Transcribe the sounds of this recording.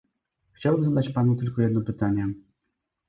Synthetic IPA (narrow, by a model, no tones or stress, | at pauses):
xt͡ɕawbɘmzad̪at͡ɕpanut̪ɘlkɔjɛd̪nɔpɘt̪aɲɛ